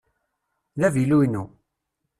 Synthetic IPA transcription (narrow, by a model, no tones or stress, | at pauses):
ðævilunu